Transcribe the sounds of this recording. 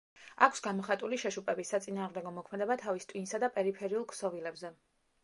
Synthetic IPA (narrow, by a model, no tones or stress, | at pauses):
akʷʰsɡamɔχat̪ʼuliʃɛʃupʼɛbisat̪sʼinaːʁmd̪ɛɡɔmɔkʰmɛd̪ɛbat̪ʰavist̪ʼwinsad̪apʼɛɾipʰɛɾiulˠkʼsɔvilɛbzɛ